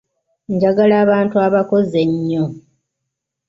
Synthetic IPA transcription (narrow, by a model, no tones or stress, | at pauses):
ɲɟaɡalaːβaːntuaβako̞ze̞ɲːo